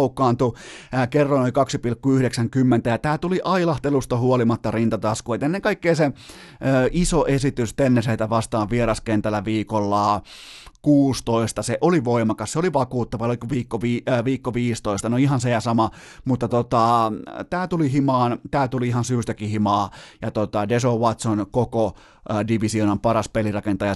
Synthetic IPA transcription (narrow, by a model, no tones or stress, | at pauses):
ukːˑɑːnt̪uækerːɑnnoikɑksipilkːuyhɾeksæŋkymːent̪æjɑt̪æːt̪uliʔɑilɑht̪elust̪ɑhuolimɑt̪ːɑrint̪ɑt̪ɑskoet̪enːeŋkɑikːeːse | øisoʔesit̪yst̪enːeseit̪æʋɑst̪ɑːʋʋieɾɑskent̪ælːæʋiːkolːɑː | kuːst̪oist̪ɑseʔoliʋoimɑkɑsseoliʋɑkuːt̪ːɑʋɑolikuʋiːkːoʋiːʋiːkːoʋiːst̪oist̪ɑnoihɑnsejæsɑmɑ | mut̪ːɑt̪ot̪ɑt̪æːt̪ulihimɑːnt̪æːt̪uliihɑnsyːst̪ækihimɑːjɑt̪ot̪ɑdesowɑt̪sonkoko | diʋisionɑmpɑrɑspelirɑkent̪ɑjɑ